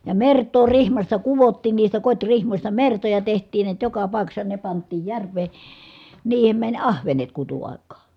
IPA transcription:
jɑ mertˑoː rihmɑstɑ kuʋotːiːn niːstæ kotʲrihmosʲtɑ mertojɑ tehtˑiːn niæt jokɑ pɑˑi̯kɑsːɑ ne pɑntˑiːj jærʋˑeː niːhem mænʲ ɑhʋenet kutuɑˑi̯kˑɑː

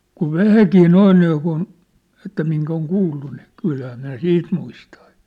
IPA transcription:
kuʋ ʋæhækiː noin niːkun etːæ miŋk oŋ kuːlːu ni kylhæː næː siːt muistɑ̥ː

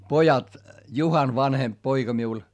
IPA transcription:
pojɑt juhɑn ʋɑnhemp poiɡ̊ɑ miul

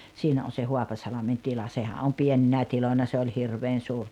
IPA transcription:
siːnæ on̞ se huɑpɑsɑlɑmen tilɑ sehæ om pieninæ tiloinɑ se olʲ hirʋeːn suːr

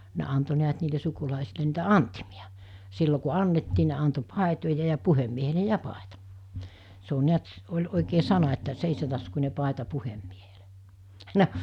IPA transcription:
ne ɑnto niæt niːle sukulɑˑesile niːtæ ɑntimiɑ silːo ku ɑnːetːiː ne ɑnto pɑˑetojɑ jɑ puhemːiehele jɑ pɑˑetɑ se o niæt olʲ oˑikeː sɑnɑ etːæ seisetɑskunʲe pɑˑetɑ puhemːiehel̥e̥ no

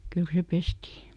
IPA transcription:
kyl se pestiː

